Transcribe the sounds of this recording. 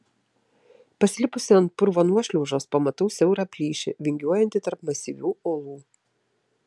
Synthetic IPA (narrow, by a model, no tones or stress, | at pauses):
pɐsʲlʲɪpʊsʲɪɐnt̪̚pʊɾʋɔːnuɔʃʲlʲuʊʒoːspoɔmɐt̪ɐʊsʲɛʊɾapʲlʲiːʃʲɪ̰ʋʲɪŋʲɡʲuɔjɛnʲt̪ʲɪt̪ɐɾpmɐsʲiʋʲuːɔlˠuː